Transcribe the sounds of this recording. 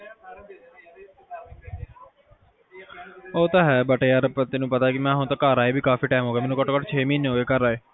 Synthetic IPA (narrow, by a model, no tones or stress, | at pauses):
oːt̪aːɦɛːbəʈeaːɾəpət̪ɪnũːpət̪aːkɪmɛ̃ːɦʊ̃t̪aːkaːɾaːeːbʱiːkaːfiːʈaːmɦoːɡeːmɛːnũːkɔʈkɔʈt͡ʃʰeːmiːnɦoːeːkəɾaːeː